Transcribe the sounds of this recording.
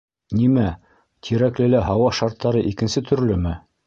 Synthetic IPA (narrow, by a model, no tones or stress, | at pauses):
nimæ | t̪ʰiɾæklɘ̆læɦɑwɑʃɑɾt̪ʰːɑɾɤʔikɘ̆nsɘt̪ʰɵ̆ɾlɵmɘ